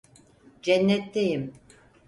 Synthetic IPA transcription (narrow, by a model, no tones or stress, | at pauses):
d͡ʒɛnːɛt̪ːejim